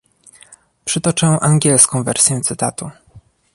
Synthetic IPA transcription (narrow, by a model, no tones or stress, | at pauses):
pʂɘt̪ɔt͡ʂɛwʔaŋɡʲɛlskɔ̃w̃vɛ̰ɾsʲjɛ̃t̪sɘt̪at̪u